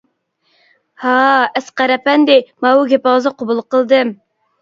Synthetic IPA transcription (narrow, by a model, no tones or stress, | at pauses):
hɑɛsqæɾɛpɛnd̪ɪmɑwuɡʲepɑzɑqʰobulˠqəlˠd̪ɨm